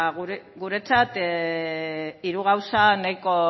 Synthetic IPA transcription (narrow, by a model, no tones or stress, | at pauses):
ɣɾɡuɾe̞t͡sat̪ | iɾuɣ̞awsanajko̞